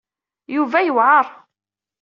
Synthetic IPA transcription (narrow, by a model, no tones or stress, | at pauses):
juvæjəwʕɑɾˤ